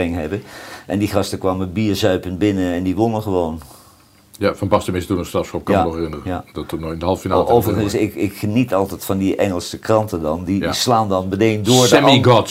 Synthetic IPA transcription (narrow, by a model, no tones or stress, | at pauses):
ɪŋɦɛbəʔɛndiχɑstəkʋaːməbiːɹzœɥpənbɪnəɛndiʋonˠəχəʋown | jafɑnbɑstəmɪstunəstɑsop̚kɑnnɔχɛrɪnərəjadɔtənɔɪndəɦɑlˠfinalˠowvərχənsɪkɪkχənitɑlˠtɛtfɑndiʔɛŋəlˠsəkrɑntədɑndislaːndɑnbənejndʊːɹsdɛmiɡɔt